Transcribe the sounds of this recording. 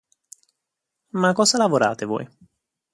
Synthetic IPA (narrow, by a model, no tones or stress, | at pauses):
makːɔːzalavoɾa̰ːt̪evɔ̰ːj